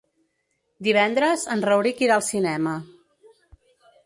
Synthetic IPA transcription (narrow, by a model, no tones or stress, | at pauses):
d̪iβ̞ɛnd̪ɾəzənzrəwɾikiɾaːlˠsinɛmə